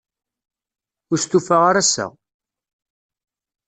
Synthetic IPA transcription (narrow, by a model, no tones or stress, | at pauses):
ʊɾst̪ufaʁaɾæsæ̰